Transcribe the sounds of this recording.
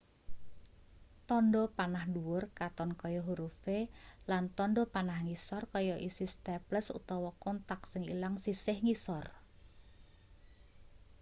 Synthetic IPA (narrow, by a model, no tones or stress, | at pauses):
t̪ɔnɖɔpanahɳduwʊrkat̪ɔnkɔjɔɦuɾufelant̪ɔnɖɔpanahŋisɔrkɔjɔʔisist̪ɛpləsṵt̪ɔwɔkɔnt̪ak̚sɪŋḭlaŋsisɪhŋisɔr